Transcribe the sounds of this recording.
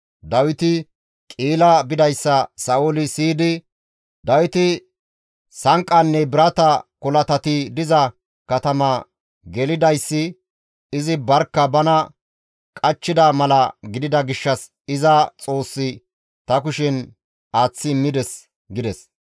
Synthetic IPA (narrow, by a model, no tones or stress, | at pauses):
d̪ɐwɪt̪ɪ | kʼiːlɐbɪd̪ɐjsːɐsɐʔʊlɪsiːd̪ɪ | d̪ɐwɪt̪ɪ | sɐŋkʼːɐnːɛbɪɾɐt̪ɐkɔlɐt̪ɐt̪ɪd̪ɪzɐ | kɐt̪ɐmɐ | ɡɛlɪd̪ɐjsːɪ | ɪzɪbɐɾkːɐbɐnɐ | kʼɐt͡ʃːɪd̪ɐmɐlɐɡɪd̪ɪd̪ɐɡɪʃːɐs | ɪzɐt͡sʼo̞ːsːɪ | t̪ɐkʊʃɪn | aːt͡sːɪːmːɪd̪ɛs | ɡɪd̪ɛs